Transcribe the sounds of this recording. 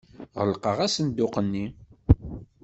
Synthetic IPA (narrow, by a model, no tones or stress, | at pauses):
ʁəlqəʁæsənd̪ʊqənːi